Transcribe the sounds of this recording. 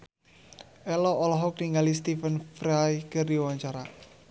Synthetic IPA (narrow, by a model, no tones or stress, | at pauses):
ʔɛlɔʔɔlɔɦɔk̚niŋalist̪ifənfɾajkərdiwaɲt͡ʃaɾa